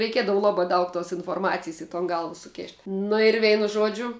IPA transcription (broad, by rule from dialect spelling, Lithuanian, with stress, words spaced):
rʲɛɪˈkʲiɛdɐʋʊ ˈlˠɑːbɑː ˈdɐʊk toːs ɪnfoːrˈmɑːt͡sʲɪjs ɪ toːn ˈɡɐlˠʋɐ sʊˈkʲeːʃʲtʲ ˈnʊ ɪr ˈʋʲɛɪnʊ ˈʒuɔd͡ʒʲʊ